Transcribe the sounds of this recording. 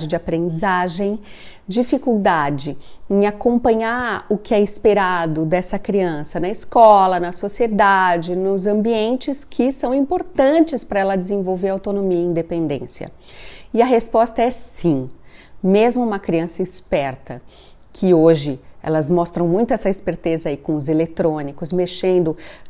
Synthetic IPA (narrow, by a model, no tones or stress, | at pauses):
d͡ʒɪd͡ʒɪapɾẽnd͡ʒizaʒẽj̃d͡ʒifikuwd̪ad͡ʒɪẽj̃akõmpɐ̃ɲaɾʊkɪɛispeɾad̪ʊd̪ɛsɐkɾiɐ̃sɐnɐiskɔlɐnɐsosied̪ad͡ʒɪnʊzɐ̃mbiẽnt͡ʃɪskʰɪsɐ̃w̃ĩpoɾt̪ɐ̃nt͡ʃɪspɾɐɛlɐd͡ʒɪzẽvowveɾawt̪onomiɐĩnd̪epẽnd̪ḛ̃sjɐ̰ | ɪɐɦespɔst̪ɐɛsĩmezmʊũmɐkɾiɐ̃sɐispɛɾt̪ɐ | kʰɪoʒɪɛ̰lɐzmɔst̪ɾɐ̃w̃mũj̃t̪ʊɛsɐispeɾt̪ezɐikõʊzelet̪ɾõnikʊzmeʃẽnd̪ʊ